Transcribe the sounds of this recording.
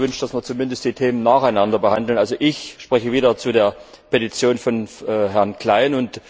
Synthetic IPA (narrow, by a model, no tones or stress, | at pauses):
vʏnʃtd̥asmiːɐt͡sumɪndəstd̥iːtʰeːmənːaːχaɪnandɐbəhandl̩nʔalzoʔɪçʃpʁ̥ɛçəviːɾɐt͡sudeːɐ | pʰetit͡sjoːnfɔnɦɛɐnkl̥aɪnʊnt